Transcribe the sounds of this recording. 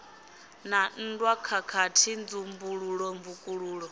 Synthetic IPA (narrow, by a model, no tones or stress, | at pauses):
nan̩dwakʰakʰatʰind͡zumbuɺuɺɔmbukʼuɺuːɺɔ